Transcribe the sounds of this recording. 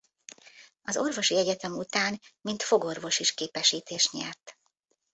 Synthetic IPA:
ɒzo̞rvo̞ʃiɛɟɛt̪ɛmut̪aːnmint̪fo̞ɡo̞rvo̞ʃiʃkeːpɛʃiːt̪eːʃɲɛrt̪

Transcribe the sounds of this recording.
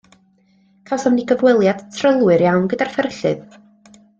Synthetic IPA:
kʰawsɔmniɡəvwɛlˠjad̥tʰrəlˠwɨɾjawnɡədarfərɬɨ̰ð

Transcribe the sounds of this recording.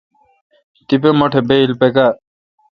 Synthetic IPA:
t̪ipemɐʈʰebeilpeka

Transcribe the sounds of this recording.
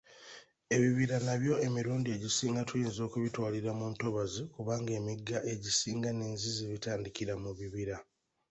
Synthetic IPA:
e̞βiβiɾanaβjo̞e̞miɾuːndie̞ɟisiːŋɡatujiːnzo̞ːkuβitwaːliɾamuːnto̞βazikuβaːŋɡe̞ːmiɡːaʔe̞ɟisiːŋɡane̞ːnziziβitaːndiciɾamuβiβiɾa

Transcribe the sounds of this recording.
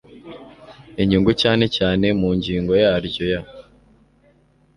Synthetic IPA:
iɲiŋɡucaːne̞caːne̞muːɲɟiːŋɡo̞jaːɾɟo̞ja

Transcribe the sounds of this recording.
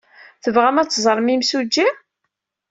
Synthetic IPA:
θəvʁæmæt͡sːzˤɾˤmimsud͡ʒːi

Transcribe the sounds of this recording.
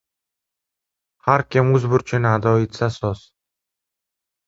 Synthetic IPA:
haɾkʲʰɪmɵzbʊɾt͡ʃʰɪnad̪ɒɪt̪sasɒs

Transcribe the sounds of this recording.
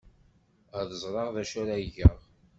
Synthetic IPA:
æðəzˤɾˤɑʁðæʃæɾaʝəʁ

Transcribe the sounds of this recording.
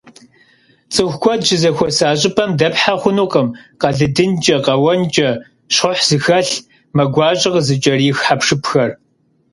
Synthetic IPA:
t͡sʼɨxʷkʷʰɔdd͡ʒɪzɐxʷɔsaːɕ̬ʼɪpʰɐmdɐpħaχʷʊnuːqʼɐmqɐɮɨdɨnt͡ʃʼɐqɐwɐnt͡ʃʼɐ | ɕʊħz̥ɨxɐɬ | mɐɡʷɑːɕʼɪʁzɨt͡ʃʼɐriːxħapʂɨpʰxɐr

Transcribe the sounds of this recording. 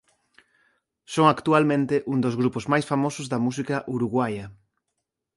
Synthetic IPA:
soŋakt̪ualmẽnt̪ɪʔuŋd̪ozɣɾupʊzmajsfamosʊzðɐmus̬ikɐʔuɾuɣwajɐ

